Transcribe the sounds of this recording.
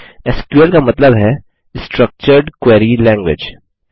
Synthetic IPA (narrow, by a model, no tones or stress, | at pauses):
eskuəlkamɐt̪ləbɦɛ | sʈɾək̚t͡ʃəɾɖkweːɾilɛ̃ːŋɡwɪ̰d͡ʒ